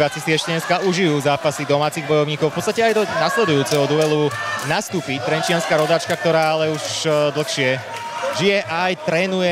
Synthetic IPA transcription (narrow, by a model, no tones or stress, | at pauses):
at͡sisiɛʃcɛɲɛskauʒijuːzaːpasid̪ɔmaːt͡siːɣbɔjɔʊɲiːkɔʊfpɔtt͡sst̪acɛajd̪ɔnaslɛd̪ujuːt͡sɛɦɔd̪uʋɛlunast̪uːpit̪ɾɛnt͡ʃɪanskaːɾɔd̪aːt͡ʃkak̚t̪ɔɾaːalɛuʃd̪l̩ˠxʃɪɛ | ʒijɛʔajt̪ɾɛːnujɛ